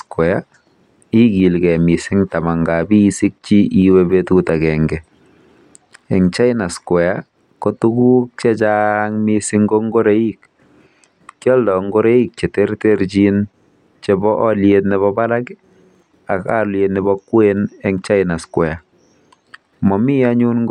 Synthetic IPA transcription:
skwɛ˨ja˦ | i˦ɡi˨lkɛ˨mi˨sɪ˦ŋta˨ma˨ŋɡa˨bi˦si˦k̚t͡ʃi˦ʔi˦webetuta˨kɛŋɡɛ | ɛ˨ŋt͡ʃa˦ɪna˨skwɛ˨ja | ko˦tu˦ɡu˦k̚t͡ʃe˦t͡ʃaŋmisɪŋɡo˦ŋɡo˦ɾe˦ik̚ | kjɔ˦ldɔ˨ŋɡo˦ɾe˦i˦k̚t͡ʃe˨te˦ɾteɾt͡ʃin | t͡ʃe˦bɔʔɔ˦ljetnɛ˦βɔba˦la˦k | a˨ka˦ljetnɛ˦bɔkwenɛ˦ŋt͡ʃa˦ɪna˨skwɛ˨a˨ | mɔ˨mi˦aɲu˦nŋɡ

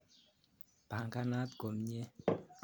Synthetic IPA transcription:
b̥a˨ŋka˦na˦t̪̚ɡo˨mɲɛ˦

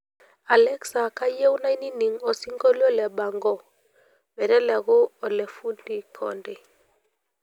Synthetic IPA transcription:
a˨lɛ˦ksa˨ka˦je˦wna˦i˦ni˦ni˨ŋɔ˨si˦ŋɡo˦li˦ɔ˦lɛ˨ba˨ŋɡɔ˦ | bɛ˨ɾɛ˦lɛ˨ɣo˦o˨le˨fu˦ndi˨kʰɔ̰˨nde˨

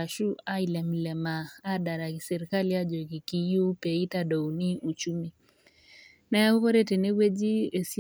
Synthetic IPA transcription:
a˨ʃu˦a˦i˦lɛ˨mlɛ˨maː˨˦da˨ɾa˨i˨sɛ˨ɾi˨ka˦li˦a˦d͡ʒo˨ɡi˨ki˨ju˦pe˨i˦ta˦do˨wni˦u˨t͡ʃu˦mi˦ | na˦a˦u˦ko˦ɾe˦te˨ne˦we˦d͡ʒi˦e˨si˦

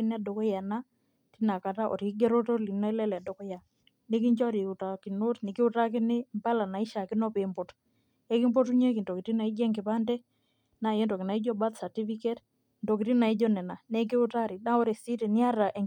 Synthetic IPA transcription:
i˦n˦a˦do˨kɔ˦ja˨na˦ | ti˦na˨ka˨ta˦ʔɔ̰˨ɾi˦ɡɛ˦ɾo˦to˦li˨nɔ˦i˦lɛ˦lɛ˨do˨kɔ˦ja˨ | nɪ˦ki˦ɲt͡ʃɔ˦ɾi˨u˨ta˨ki˨no˦tnɪ˨kɪ˦ʊ˦ta˦k̬ɪ˦nɪ˦mba˦la˨na˨i˦ʃa˨kɪ˦nɔ˦pe˨mbɔ˨t | e˦kɪ˦mbɔ˦tu˦ɲe˦ki˨ndo˨ki˨ti˦na˨i˦d͡ʒɛ˦ŋɡɪ˨pa˦ndɛ˦ | na˨je˦nto˨kɪ˨na˨i˦d͡ʒɔ˦ba˦t̪sa˨ti˦fi˦ke˦t | ndo˨ki˨ti˦na˨i˦d͡ʒɔ˦nɛ˨na˨nɛ˦k̬ɪ˦ʊ˦ta˦ɾi˨na˦ɔ˦ɾe˨si˦tɛ˨nɪ˦a˦ɾa˨ʔe˨

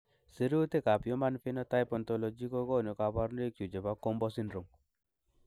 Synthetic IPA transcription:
si˦ɾu˦t̪e˦ka˨pjɔ˦ma˦nfɪ˦nɔ˦ta˦jpɔ˨nt̪ɔ˨lɔ˨d͡ʒi˦ko˦ɡɔ˦˨nɔ˨ka˨pa˦ɾn˦e˦kju˨d͡ʒe˨ba˦ko˦mbɔ˦si˦nɾɔ˨ŋ

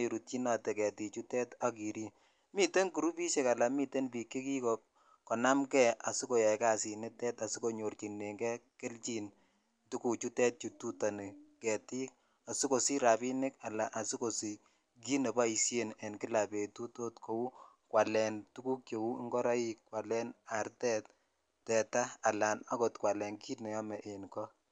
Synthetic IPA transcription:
e˨ɾu˨t̚t͡ʃi˦na˨tɛ˨kɛ˨ti˨t͡ʃu˦tɛ˦ta˦ki˨ɾi˦n | mi˦te˦nku˨ɾu˦pi˦ʃe˨ka˨la˨mi˦te˦npi˨kːi˦ki˦kɔ | kɔ˨na˦mkɛ˦a˨su˦ko˨ja˨ka˦si˨nɪ˦tɛ˦ta˨su˦ko˨ɲo˨rt͡ʃi˨nːe˨ŋɡɛ˦kɪ˦lt͡ʃi˦n | tu˦ku˨t͡ʃu˦tɛ˦t̚t͡ʃu˨tu˦ta˨ni˨kɛ˨ti˦k | a˨su˦ko˨si˦ɾa˨pi˦nɪ˦ka˨la˨ʔa˨si˦ko˨si˨ | ki˦nɛ˨ba˦i˨sje˨nɛ˨nkɪ˦la˨pe˨tu˦to˦tkʰo˨u˦ | kwa˨lɛ˨ntu˦ku˦k̚t͡ʃo˨u˦ŋɡɔ˦ɾa˦i˦kkwa˨lɛ˦na˨ɾtɛ˦t̚ | tɛ˨taː˦˨la˨na˦ko˨tkwa˨lɛ˨nki˦nɛ˨jɔ˦mɛ˨ʔe˨nkɔ˦

